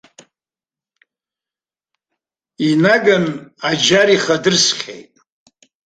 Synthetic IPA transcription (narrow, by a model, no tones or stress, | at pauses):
inaɡanad͡ʒaɾiχadɨrsχʲḛjtʼ